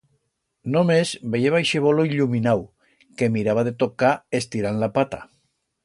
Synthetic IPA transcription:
nomezbejeβajʃeβoloiʎuminaw | kemiɾaβaðet̪okaest̪iɾanlapat̪a̰

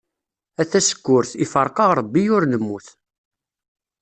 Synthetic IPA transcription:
æθæsə̥kːʊɾθifəɾˤqɑʁɾˤəbːijʊɾnəmːuθ

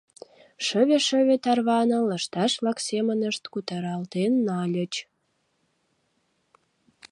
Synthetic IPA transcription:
ʃəβeʃə̆βet̪ɑrβɑnə̆lə̆ʃt̪ɑʃβlɑksemənəʃt̪kut̪ɑɾɑlt̪enːɑlʲə̆t͡ɕ

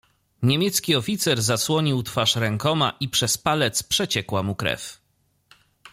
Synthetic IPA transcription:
ɲemʲjɛt̪skʲiɔfʲit̪sɛɾzaswɔɲiwt̪faʂɾɛŋkɔmaʔipʂɛspalɛt̪spʂɛt͡ɕɛkwamukɾɛ̰f

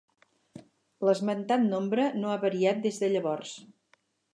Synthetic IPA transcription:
ləzmənt̪at̪nombɾənoaβəɾiat̪̚d̪ezðəʎəβɔrs

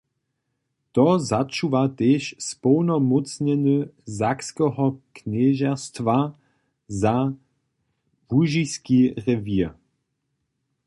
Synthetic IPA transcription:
t̪ɔzat͡ʃuvat̪eːʃspɔwnɔmut͡sɲɛnəzakskɛɦɔknɛʒɛʁst̪va | za | vuʒiskiʁɛvi

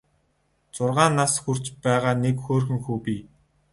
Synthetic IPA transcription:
t͡sʊrʁaːnːasxur̥t͡ɕpæːʁaːnekxoːrxɵ̆ŋxuːpiː

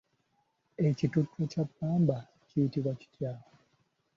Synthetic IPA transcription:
ecitutːwecapːaːmba | cijitiβwaci̥tjaːla

